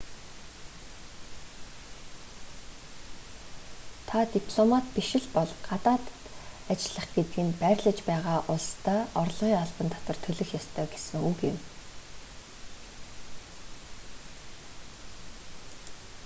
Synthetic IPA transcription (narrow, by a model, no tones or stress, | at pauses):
t̪ʰat̪ipʰɮɔmat̪̚piʃɪ̆ɮpɔɮɢ̥at̪aːt̪ | at͡ɕɪɮə̆χɡ̥et̪ɡĭːmpæɾʲɮə̆t͡ɕpæːʁaːʔʊɮst̪ʰæːɔrɮʁiːŋaɮpə̆nt̪ʰɔ̥t̪ə̆rt̪ʰɵɮɵ̆xjɔst̪ʰœːɡesɘ̆ŋukɪ̆m